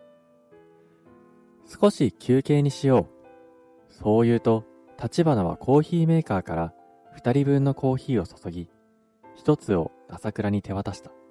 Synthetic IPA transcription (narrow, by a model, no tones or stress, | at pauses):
sɨ̥ko̞ɕikʲʰɨːke̞ːɲ̟iɕijo̞ː | so̞ːjɯ̟ːt̪o̞ | t̪at͡ɕibanoβa̰kʰo̞ːçiːme̞ːkaːkaɾa | ɸɯ̟̥t̪aɾʲibɯ̟̃nːo̞ko̞ːçiːo̞so̞̥so̞ɡʲi | çi̥t̪o̞t͡sɨo̞̰nasakɯ̟ɾaɲ̟it̪ʰe̞β̞at̪aɕi̥t̪ḁ